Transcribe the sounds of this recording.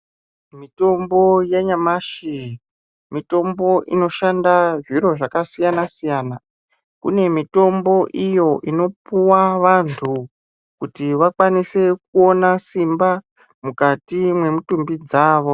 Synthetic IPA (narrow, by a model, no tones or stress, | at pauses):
mito̞mbo̞jeɲamaʃi | mito̞mbo̞ʔino̞ʃandaʐiɾo̞ʐakasijanasijaːna | kṵne̞mito̞mbo̞ʔijo̞ʔino̞puwaʋantʰu | kutiʋakwanise̞k̚uo̞nasimba | mukatimwe̞mutumbid͡zaːʋo̞